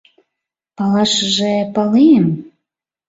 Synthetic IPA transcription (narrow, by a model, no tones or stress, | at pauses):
pɑlɑʃəʒepɑliem